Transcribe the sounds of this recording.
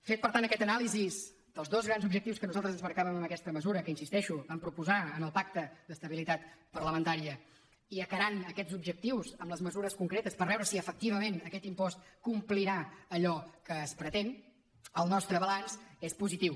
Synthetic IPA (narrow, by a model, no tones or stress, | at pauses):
fet̪̚pəɾt̪anəkɛt̪ənalˠiziz | d̪̥əlˠzðozɣɾanzubʒək̚t̪iwskənuzalˠt̪ɾəzənzβəɾkaβəməməkɛst̪əməzuɾəkəinsist̪ɛʃuβampɾupuzaənəlˠpak̚t̪əd̪əst̪əβilit̪at̪pərləmənt̪aɾiə | iəkəɾanəkɛzubʒək̚t̪iwzəmləzməzuɾəskuŋkɾet̪əspəɾβɛwɾəsiəfək̚t̪iβəmenəkɛt̪impɔst̪kumpliɾaəʎɔkəːspɾət̪en | əlˠnɔst̪ɾəβəlansespuzit̪iw